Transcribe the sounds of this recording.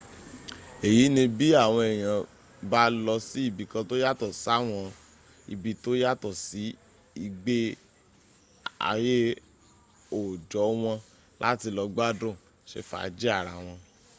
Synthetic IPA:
e˨ji˨˦nĩ˧bi˦a˦˨w̃ɔ̃˧ɛ˨j̃ã˨ | ba˦lɔ˧si˦i˦˨bi˧kã˧to˦ja˦tɔ˦˨sa˦˨w̃ɔ̃˧ | ḭ˦˨bi˧to˦ja˦tɔ˦˨si˨˦ | i˧ɡ͡be˦ | a̰˨˧˨je˦ | o˨d͡ʒɔ˨˦w̃ɔ̃˧ | la̰˦ti˧lɔ˧ɡ͡ba˦dũ˦˨ | ʃḛ˧˦fa̰˨˦d͡ʒi˦a˦˨ɾa˧˨w̃ɔ̃˧

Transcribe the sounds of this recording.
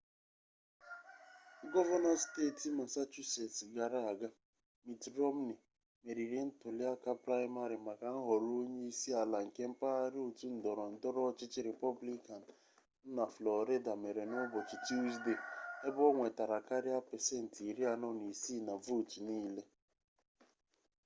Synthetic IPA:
ɡɔ˦va˦na˦steː˦˨tma˨sa˦t͡ʃu˦se˨tɡa˨ɾa˦a˨ɡa˦ | mi˨tɾɔ˦m̩˦ni˨ | me˨ɾi˨ɾɪ˨n̩˦tʊ˨li˦a˦ka˦pɾa˦ɪ˦ma˦ɾi˨ma˨ka˨n̩˦ɦɔ˨ɾo˦ɲe˦i˦si˦a˨la˨ŋ̩˨ke˦m̩˦pa˦a˦ɾɪ˦o˨tu˦n̩˨dɔ˨ɾɔ˨n̩˨dɔ˦ɾɔ˦t͡ʃɪ˦t͡ʃɪ˦ɾe˨pɔ˦bli˦ka˨n̩˨ | n̩˦na˨flɔ˨ɾe˦da˨me˨ɾe˨nʊ˦bɔ˨t͡ʃi˨t͡ʃi˦sde˦˨e˦bɔ˦ŋʷe˨ta˨ɾa˨ka˦ɾɪ˦a˦pe˨se˦n̩˨ti˨ɾi˦a˨nɔ˦ni˨si˦˨na˨vu˦˨ti˨niː˦le˦

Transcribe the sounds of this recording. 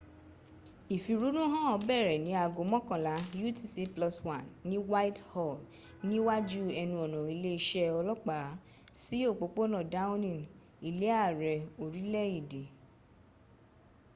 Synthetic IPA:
i˨fi˨˧ɾu˨˦nũ˦ɦã˦ɔ˧bɛ˦˨ɾɛ˨nĩ˨˦a˧˨ɡo˨˦mɔ̃˦kã˨la˨˦ju˦ti˦si˧˦plɔ˧swã˨nːĩ˨˦wa˦i˦thɔ˦˨l | nĩ˦wa˦d͡ʒu˦ɛ˧nũ˧ɔ˨nɔ̃˨i˧le˦i˧ʃɛ˦ɔ˧lɔ˦k͡pa˨˦ | si˦o˦˨k͡po˧˦k͡po˦nã˦˨da˦ũ˦nĩ˨n | i˨le˨˦a˦˨ɾɛ˨o˨ɾi˨˦lɛ˦i˨de˨

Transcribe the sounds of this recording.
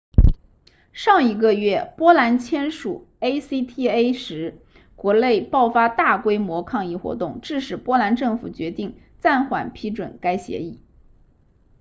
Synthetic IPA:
ʂɑ˥˩ŋi˧˥ɡə˥˧ɥɛ˥˩pwɔ˥la˧˥nt͡ɕʰjɛ˥nʂṵ˨˩ | e˥ɪsi˥t̪ʰi˥e˥ɪʂɻ̩˧˥ | kwɔ˧˥le˥˧ɪpɑ˥˩ʊfa˥t̪a˥˩kwe˥ɪmwɔ˧˥kʰɑ˥˧ŋi˥˩xwɔ̰˧˥t̪ʊ˥˧ŋʈ͡ʂɻ̩˥˩ʂɻ̩˨˩pwɔ˥la˧˥nʈ͡ʂɤ˥˩ŋfu˨˩t͡ɕɥɛ˧˥t̪i˥˩ŋ | t͡sa˥˩nxwa̰˨˩npʰi˥ʈ͡ʂwə̰˨˩nka˥ɪɕjɛ̰˧˥i˥˩

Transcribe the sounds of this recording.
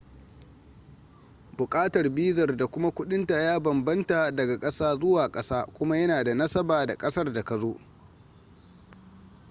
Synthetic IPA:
bʊ˨kʼaː˦tɐ˨rbiː˦zɐ˨rda˨kʷʊ˦ma˦kʷʊ˦ɗɪ˦nta˨jaː˦bɐ˨mbɐ˦nta˨dɐ˨ɡa˨kʼɐ˦saː˦zʊ˦waː˨kʼɐ˦saː˦kʷʊ˦ma˦jɐ˦naː˨da˨nɐ˦sɐ˦baː˨da˨kʼɐ˦sɐ˦rda˨kɐ˨zoː˦ʔ

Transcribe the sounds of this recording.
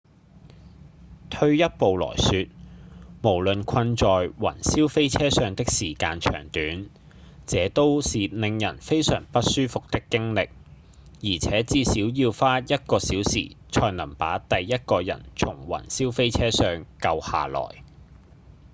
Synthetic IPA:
t̪ʰɵ˧ɥjɐ˥t̚po˨wlɔ̰ː˨˩jsyː˧t̚mo˨˩wlɵ˨nkʷʰɐ˧nt͡ʃɔː˨jwɐ̰˨˩nsiː˥wfe˥jt͡sʰɛː˥sœː˧ŋt̪ɪ˥k̚siː˨˩kaː˧nt͡ʃʰœ̰ː˨˩ŋt̪yː˨˥n | t͡sɛː˨˧˥t̪o˥wsiː˨lɪ˧ŋjɐ̰˨˩nfe˥jsœ̰ː˨˩ŋpɐ˥t̚syː˥fʊ˨k̚t̪ɪ˥kːɪ˥ŋlɪ˨k̚ | jiː˨˩t͡sʰɛː˨˥t͡siː˧siː˨˥wjiː˧wfaː˥jɐ˥t̚kɔː˧siː˨˥wsḭː˨˩t͡ʃʰɔː˧jnɐ˨˩mpa̰ː˨˥t̪ɐ˨jːɐ˥t̚kɔː˧jɐ̰˨˩nt͡ʃʰʊ˨˩ŋwɐ̰˨˩nsiː˥wfe˥jt͡sʰɛː˥sœː˧ŋkɐ˧wha̰ː˨lɔ̰ː˨˩j

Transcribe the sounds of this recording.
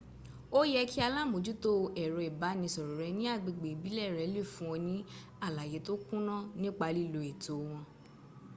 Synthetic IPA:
o˦jɛ˦ki˦a˧la˦˨mo˨d͡ʒu˦to˦˧ɛ˨ɾɔ˨i˨ba˨˦nĩ˧sɔ˨ɾɔ˨ɾɛ˧˦nĩ˦a˦˨ɡ͡be˨ɡ͡be˨i˨bi˨˦lɛ˦˨ɾɛ˨˦le˦˨fũ˦ɔ̃˧nĩ˨˦ | a˦˨la˨je˨˦to˦kũ˦nɔ̃˦˨nĩ˦k͡pa˧li˦˨lo˨e˨to˨˦w̃ɔ̃˧

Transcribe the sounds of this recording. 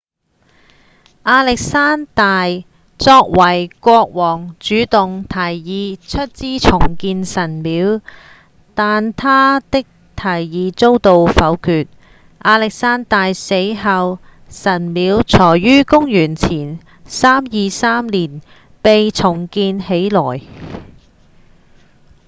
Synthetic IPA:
ʔaː˧lɪ˨k̚saː˥nt̪aː˨j | t͡sɔː˧k̚wɐ˨˩jkʷɔː˧k̚wɔː˨˩ŋt͡ʃyː˨˥t̪ʊ˨ŋt̪ʰɐ˨˩jjiː˨˧t͡ʃʰɵ˥t̚t͡siː˥t͡sʰʊ˨˩ŋkiː˧nsɐ˨˩nmiː˨˧˥w | t̪aː˨nt̪ʰaː˥t̪ɪ˥k̚ | t̪ʰɐ˨˩jːiː˨˧t͡so˥wt̪o˨wfɐ˨˧˥wkʰyː˨˧t̚ | ʔaː˧lɪ˨k̚saː˥nt̪aː˨jse˨˥jɦaː˧w | sɐ˨˩nmiː˨˥wt͡sʰɔː˨˩jːyː˥kʊ˥ŋjyː˨˩nt͡sʰiː˨˩n | saː˥mjiː˨˧saː˥mliː˨˩n | pe˨jt͡sʰʊ˨˩ŋkiː˧nhe˨˥jlɔː˨˩j

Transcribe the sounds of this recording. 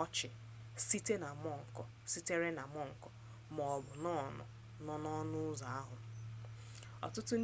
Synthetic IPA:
ɔ˦t͡ʃɪ˨ | si˦te˦na˨m˦ɔ˦˨ŋ̩˨kɔ˨ | si˦te˦ɾe˦na˨mɔ˦ŋ̩˨kɔ˨ | mɔ˨ɔ˨bʊ˨nɔ˦˨nɔ̰˨ | nɔ˦nɔ˦nʊ˦ʊ˦za˨a˦ɦʊ˨ | ɔ̰˨tʊ˦tʊ˦n

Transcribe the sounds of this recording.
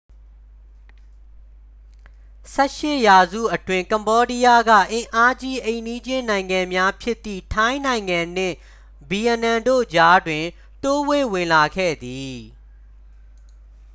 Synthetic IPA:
sɛ˦˨ʃɪ˦˨ja˨zṵ˦˨ʔətwɪ̃˦ŋkã˨mbɔ˦di˦ja˦ɡä̰˦˨ʔɪ̃˨ʔa˦d͡ʑi˦ʔẽ˨ni˦d͡ʑɪ̃˦nã˨ɪ̃ŋã˨mja˦pʰjɪ˦t̪ːḭ˦˨tʰã˦ɪ̃nã˨ɪ̃ŋã˨n̥ɪ̰̃˦˨ | bi˨jɛ˨nã˨ndo̰˦˨d͡ʑa˦dwɪ̃˨ | to˦we˦˨wɪ̃˨la˨ɡʰɛ̰˦˨d̪i˨

